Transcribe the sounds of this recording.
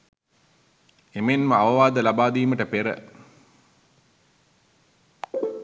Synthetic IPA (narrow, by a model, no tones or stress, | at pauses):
emenməaʋɐʋaːd̪əlabaːd̪iːməʈəpeɾə̰